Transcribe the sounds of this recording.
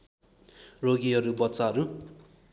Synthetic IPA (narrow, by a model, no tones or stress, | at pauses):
roɡiɦʌɾubʌtːt͡saɦʌɾu